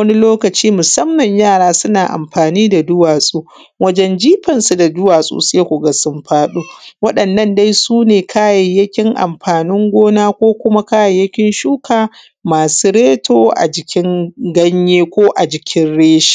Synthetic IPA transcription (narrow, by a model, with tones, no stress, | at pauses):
wɐ˦ni˦loː˦kɐ˨t͡ʃiː˦mʊ˨sɐ˦mːɐ˨ɲjaː˦˨ɽaː˦sʊ˦naː˨ʔa̰˨mɸaː˨niː˦da˨dʊ˦waː˨sʼu˦ | wɐ˦d͡ʒɛ˦nd͡ʒiː˦ɸɐ˨nsu˨da˨dʊ˦waː˨sʼṵ˦se˦kʷʊ˨ɡɐ˨sʊ˦mɸaː˦ɗu˦wɐ˦ɗɐ˨nːɐ˦nda˦jsuː˦neː˨kʰaː˦jɐ˨jɐ˦kʲɪ˦ŋʔa̰˨mɸaː˨nɪ˦ŋɡʷoː˦naː˦kʷoː˦kʷʊ˦ma˦kaː˦jɐ˨jɐ˦kʲɪ˦nʃuː˦kʰaː˨ | maː˨su˦ɽeː˦tʰoː˦ʔa̰˨d͡ʒɪ˨kʲɪ˦ŋɡɐ˦ɲjeː˦kʷoː˦ʔa˨d͡ʒɪ˨kʲʰɪ˦nɽeː˦ʃi̥˦˨